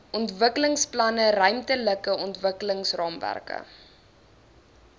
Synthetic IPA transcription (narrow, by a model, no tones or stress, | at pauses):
ʔɔntvəkələŋsplɐnəɾœɥmtələkəɔntvəkələŋsrɑːmvæ̰rkə̰